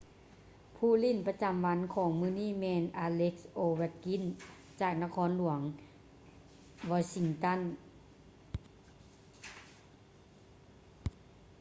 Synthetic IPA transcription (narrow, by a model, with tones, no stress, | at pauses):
pʰuː˧˩li˧˥˨npa˧t͡ɕa˧˦mʋa˧˥nkʰɔː˨˩˦ŋmɯː˧˥˨niː˥˩˨mɛː˧nʔaː˧le˦˥k̚sʔoː˧wɛ˧˩t̪̚ki˧˥˨n | t͡ɕaː˨˩k̚na˧kʰɔː˧˥nlu˩˦əŋ | ʋɔː˧˥si˧ŋt̪a˧˥˨n